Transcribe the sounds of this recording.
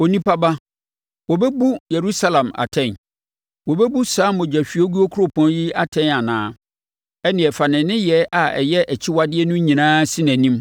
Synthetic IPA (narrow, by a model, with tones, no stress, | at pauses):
o˨nĩ˦pʰa˦ba˦ | wɔ˨bɛ˦bu˦je˨ɾu˦sa˦lã˨ma̰˨tʰɛ̃˦˨n | wɔ˨bɛ˦bu˦saː˦mɔ˨d͡ʑᶣæ˨ɕᶣi˨˦o˦ɡu˦o˦kʰu˦ɾo˨pʰɔ̃˨˦n˦ji˦a˦tʰɛ̃˦na˨nãː˦ | ɛ˦nɪ̃˨ɛ˨fa˨nɪ̃˨nɪ̃˦jɛ˦a˨ɛ̰˨jɛ˦ʔɛ˨t͡ɕʰɪ˦wa˦dɪ˦ɛ˦nʊ̃˦ɲĩ˨nãː˦sĩ˦næ̃˨nĩ˦m